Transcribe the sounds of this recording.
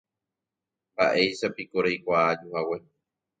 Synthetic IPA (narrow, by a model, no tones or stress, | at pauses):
mba̰ʔe̞jʃapikoɾeajkʷaːd͡ʒuhawe̞